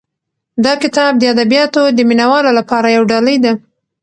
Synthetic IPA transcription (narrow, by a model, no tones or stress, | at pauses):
d̪ɑkɪt̪ɑb̚d̪əad̪abijɑt̪od̪əminawɑlolapɑɾajawɖɑləjd̪a